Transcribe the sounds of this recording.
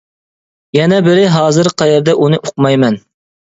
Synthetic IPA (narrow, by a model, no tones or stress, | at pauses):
jɛnɛbɪɾɪɦɑːzɨɾqʰɑjɛɾd̪ɛʔunɨʔoqmɑjmɛn